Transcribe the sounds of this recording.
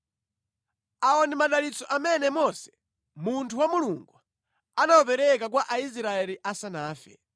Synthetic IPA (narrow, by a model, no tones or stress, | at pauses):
aɔnimaɗalit͡sɔʔamɛnɛmɔsɛ̥ | muntʰuwamuluŋɡu | anawɔpɛɾɛkak̬waʔais̬ɾaɛliʔasanaːfɛ